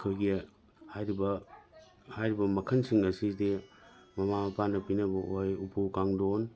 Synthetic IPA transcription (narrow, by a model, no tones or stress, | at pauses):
kʰɯjɡi | hajɾibɐ | hajɾibɐmɐkʰɐnsiŋɐsidimɐmamɐpanɐpinɐbɐʔojupʰukaŋdon